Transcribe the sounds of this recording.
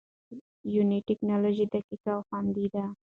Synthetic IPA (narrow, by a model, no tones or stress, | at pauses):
juniʈːɪknɑloʒid̪akikawxand̪id̪a